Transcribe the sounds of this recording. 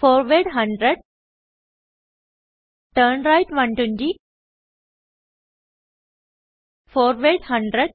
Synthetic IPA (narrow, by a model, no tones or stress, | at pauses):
foːɾʋeɖɦɐ̃ɳɖɾeɖ̚ | ʈəɾnɾaɪʈʋʌ̃ɳʈũnd͡ʒi | foːɾʋeːɖhʌ̃ɳɖɾeɖ̚